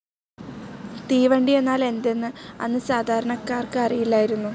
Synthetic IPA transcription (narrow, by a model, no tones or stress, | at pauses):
t̪iːʋɐɳɖije̞nːaːle̞nd̪enːɨɐ̰nːɨsaːd̪ʱaːɾɐɳɐkːaːrkɨɐrijilːaːjiɾunːu